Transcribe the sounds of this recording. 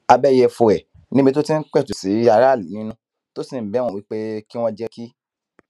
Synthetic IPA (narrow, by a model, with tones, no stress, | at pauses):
a˧bɛ˦jɛ˧fo˧˨ɛ˨ | nĩ˦bi˧t̬o˦tĩ˦n̩˦k͡pɛ˦˨tu˨si˨˦a˧ɾa˦˨lu˨nĩ˨˦nũ˦ | to˦sĩ˦˨m̩˨bɛ˨˦wɔ̃˧wi˦k͡pe˦ki˦w̃ɔ̃˦d͡ʒɛ˦ki˦